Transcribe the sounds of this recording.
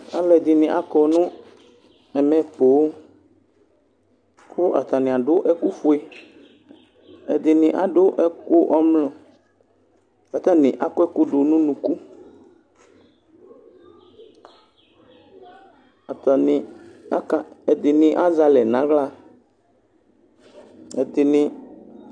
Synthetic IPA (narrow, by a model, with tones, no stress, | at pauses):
a̰˨lɛ˨d̪ɪ˨nɪ̃˨ʔa˦kɔ˨nʊ̃˦ | ɛ˨mɛ̃˨po˨˦ | kʊ˦ʔa̰˨t̪a˨nɪ̃˨a˨ɖʊ˦ʔɛ˦ku˦fu˦e˦ | ɛ˨d̪ɪ˨nɪ̃˨ʔa˨ɖʊ˦ʔɛ˦kʊ˦ʔɔ˦mlɔ̃˨ | fa˨t̪a˦nɪ̃˨ʔa˨kʊ˦ɛ˦kʊ˦ɖʊ˨nũ˦nũ˨ku˦ | a˨t̪a˨nɪ˨a˦ka˨ɛ˨d̪ɪ˨nɪ̃˨ʔa˦za˦lɛ˨nã˨˦ɣla˦ | ɛ˨d̪ɪ˨nɪ̃˨